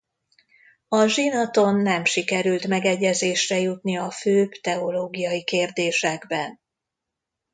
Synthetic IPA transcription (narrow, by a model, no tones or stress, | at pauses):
ɒʒinɒt̪o̞nːɛmʃikɛɾylt̪mɛɡɛɟːɛzeːʃrɛjut̪niɒføːbt̪ɛo̞loːɡijɒjikeːrd̪eːʃɛɡbɛn